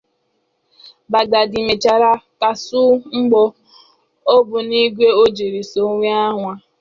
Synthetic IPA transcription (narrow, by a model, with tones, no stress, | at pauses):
ba˨ɡa˨di˨me˨t͡ʃa˨ɾa˦ka˨su˦ŋ͡m̩˦ɡ͡bɔ˦ | o˦bʊ˨ni˦ɡʷe˦o˦d͡ʒe˨ɾi˨so˨˦ŋʷi˦a˦ɦʷa˦